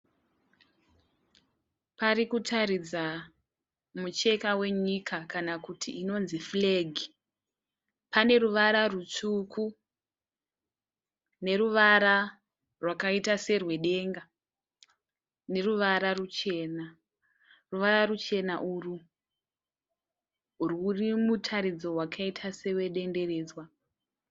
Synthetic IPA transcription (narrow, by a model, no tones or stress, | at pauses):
paɾikutʰaɾid͡za | mut͡ʃe̞kawe̞ɲikʰakanakutʰiʔino̞nzifleɡʱi | pane̞ruʋaɾarut͡sukʰu | ne̞ɾuʋaɾa | rwakaitase̞rwe̞ɗe̞ːŋɡa | ne̞ruʋaɾarut͡ʃe̞ːna | ruʋaɾarut͡ʃe̞naʔuru | rurimutʰaɾid͡zo̞wakʰaitʰase̞we̞ɗe̞nde̞re̞ːd͡zwa